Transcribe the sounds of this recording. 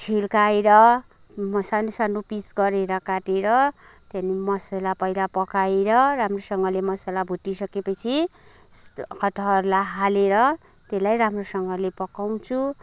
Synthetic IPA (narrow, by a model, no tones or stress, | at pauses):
t͡sʰilkaeɾʌ | mʌsanosanupisɡʌɾeɾʌkaʈeɾʌ | t̪animʌsʌlapʌjlapʌkaeɾʌramrosʌŋɡʌlemʌsalabʱuʈisʌkepʌt͡sʰi | kʰʌʈʌɦʌɾlaɦaleɾʌ | t̪elajramrosʌŋɡʌlepʌkaw̃t͡sʰu